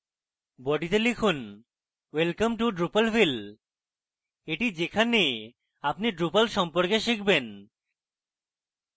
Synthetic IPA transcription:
bɔɖit̪elikʰun | welkamʈuɖɾupalfil | eʈid͡ʑekʰane | apniɖɾupalʃɔmpoɾkeʃik̚ʰben

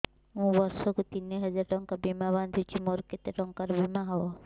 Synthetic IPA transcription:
mũbɔɾʃɔkut̪ineɦɛd͡ʒaɾʈɔŋkabimaβand̪ʱut͡ʃʰimoɾket̪eʈɔŋkaɾbimaɦɔɔ

